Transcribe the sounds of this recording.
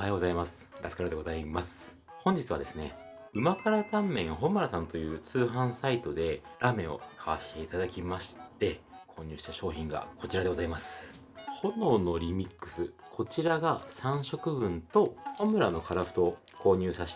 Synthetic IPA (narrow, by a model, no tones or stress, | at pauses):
ajoɡo̞zaimasɨ̥ɾasɨ̥kaɾad̪ɡo̞zaimasɨ̥ | hõ̞ɲ̟d͡ʑit͡sɨβa̰d̪e̞sɨne̞̰ | ɯ̟makaɾat̪ãmːẽ̞ɰ̃ɦo̞mɯ̟ɾasãnt̪o̞jɯ̟ːt͡sɨːɦãɰ̃sait̪o̞d̪e̞ɾame̞o̞̰kʰaβaɕi̥t̪e̞it̪ad̪akʲimaɕi̥t̪e̞kʰo̞ːɲ̟ɯ̟ːɕi̥t̪aɕo̞ːçĩŋɡa̰ko̞t͡ɕiɾad̪e̞ɡo̞zaimasɨ̥ | ho̞no̞no̞ɾʲimʲikːɯ̥sɨkʰo̞t͡ɕiɾaɡasãɰ̃ɕo̞kɯ̟bɯ̟̃nt̪o̞homɯ̟ɾano̞kaɾaɸɯ̟̥t̪o̞ | kʰo̞ːɲ̟ɨːsaɕi̥